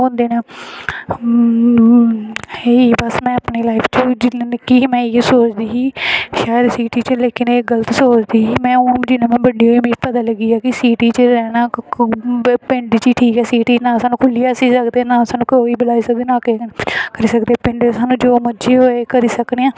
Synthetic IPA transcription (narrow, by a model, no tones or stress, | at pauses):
ɦõːnd̪eːnaː | eiːbəsmɛ̃ːəpneːlaːɪpʰt͡ʃəd͡ʒɪnːnkiːmɛ̃ːisoːt͡ʃd̪iːɦiːʃaːjəd̪siːʈiːt͡ʃəleːkɪneːɡələt̪soːt͡ʃd̪iːɦiːmɛ̃ːoːd͡ʒɪnẽːmɛ̃ːbəɖiːoːimiːt̪pət̪aːləɡiːaːkɪsiːʈiːt͡ʃəɾɛːnaː | pɪ̃ɳɖt͡ʃiːʈʰiːkɛːsiːʈiːt͡ʃnãːsaːnũːkʰʊlːijaːsiːsəkd̪eːnãːsaːnũːkoːiːbɪlaːiːsək̚d̪eːnãːkekəɾiːsəkd̪eːpɪ̃ɳɖsaːnũːd͡ʒoːməd͡ʒeːɦoːeːkəɾiːsəkneːãː